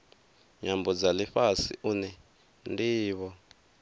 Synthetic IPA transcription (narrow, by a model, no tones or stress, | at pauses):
ɲambɔd͡zaliɸasḭʔunɛ | ndiːβɔ